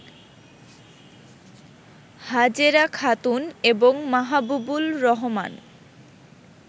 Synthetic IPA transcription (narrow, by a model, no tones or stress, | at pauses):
had͡ʑeɾakʰat̪uneboŋmaɦabubulɾɔɦoma̰n